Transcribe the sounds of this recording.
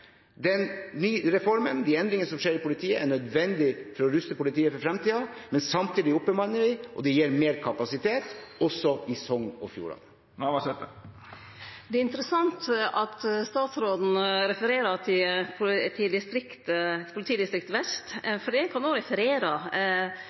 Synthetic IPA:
d̪ɛnnyːɾɛfɔɾmənd̪iɛnd̪ɾɪŋənəsɔmʂeːɾɪpʊlɪt̪ʰiːəʔæɳœd̪ʋɛnd̪ɪfɔɾɔɾʉst̪əpʊlɪt̪ʰiːəfɔɾfɾɛmt̪iːɑmɛnsɑmt̪iːd̪ɪʊpːəmɑnːəɾɪʔɔ̰d̪ɛjeːɾmeːɾkʰɑpɑsɪt̪ʰeːt̪ɔsɔɪsɔŋnɔ̰fjṵːɭɑ̰n | ʋɑsɛt̪ə | d̪ɛæɾɪnt̪əɾəsɑnt̪ɑt̪st̪ɑːt̪sɾoːd̪n̩ɾɛfəɾeːɾət̪ʰɪpʰʊt̪ʰɪd̪ɪst̪ɾɪkt̪əpʰʊlɪt̪ʰiːd̪ɪst̪ɾɪkt̪ʋɛst̪fɔɖiːæɪkʰɑnd̪oɾɛfəɾeːɾɑ

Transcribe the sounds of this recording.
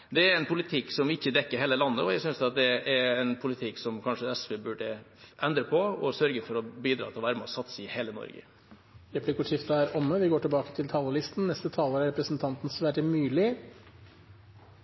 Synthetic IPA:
d̪ɛæɾɛɪnpʰʊlɪt̪ʰɪkːsɔmʋɪɪçːəd̪ɛkːəɾɦeːləlɑnːəɔjæɪsʏnsɑt̪̚d̪ɛɛɾɛnpʰʊlɪt̪ʰɪkːsɔmkʰɑnʂəɛsʋebʉɖəʔɛnd̪ɾəpʰɔɔsœɾɡəfɔɾɔbiːd̪ɾɑ̰ːt̪ʰɪlʋæːɾmɔsɑt̪səɪheːlənɔ̰ɾɡə̰ | ɾɛpʰlɪkʊʂɪft̪əæɾɔmːəʋɪɡoːʈɪlbɑːkə̥t̪ʰɪlt̪ʰɑːləlɪst̪n̩nɛst̪ət̪ʰɑːləɾæɾɛpɾəsnt̪ʰɑnt̪n̩sʋæːʈmʉːlɪ

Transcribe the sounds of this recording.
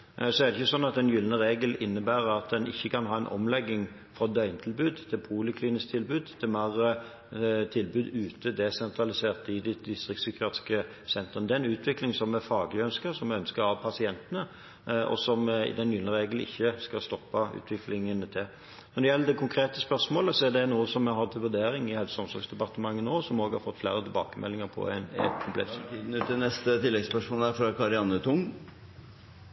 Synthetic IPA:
sɔæɾd̪ɛçəsɔnːɑt̪ɛnjʏlnəʁeːɡəlɪnːəbæːɾɑt̪̚d̪ɛnɪ̰çːəkʰɑnɦɑːɛnʔɔ̰mlɛɡːɪŋ | fʁɑd̪œʏnət̪ʰɪlbʉːd̪t̪ʰɪlpʰuːlɪkʰliːnɪst̪ʰɪlbʉːd̪t̪ʰɪlmæʁə | t̪ʰɪlbʉːd̪ʉːt̪əd̪ɛsɛnt̪ʰʁɑlɪseːʁt̪ɪd̪ɪd̪ɪst̪ʁɪksʏkəɾɑːt̪ɪ̥skə | sɛnt̪ʁənd̪ɛnʉːt̪ʰʋɪklɪŋsɔmːɛfɑːɡəlɪœnskəɾsɔmɛœnskəɾɑʋpʰɑsɪɛnt̪ənə | ɔ̰sɔmɪ̰d̪ɛnjʏːnəʁeːɡəlɪ̰çːəskɑst̪ɔpːɑʔʉ̰ːt̪ʰʋɪklɪŋənt̪ʰɪl | nɔd̪ɔjɛlːəd̪ɛkʰʊŋkʰɾeːt̪əspœʁsmoːləsɔæd̪ɛnuːəsɔmɛɾhɑd̪t̪ʰɪlʋʉɾd̪eːɾɪŋɪhɛləsɔmsɔɾɡsd̪ɛpɑʁt̪əmɑŋːənoːsɔmoːɡhɑɾfɔt̪ːflæːɾət̪ʰɪlbɑ̰ːkəmʔɛ̰lːɪŋəɾpʰɔ̰ɛnɛ̰t̪kʰʊmplɛ̰t̪sʰd̪n̩ʉt̪ːɪnɛst̪ət̪ʰɪlːɛɡspœʂmoːlæɾfɾɑkʰɑɾɪɑnət̪ʰʊŋ

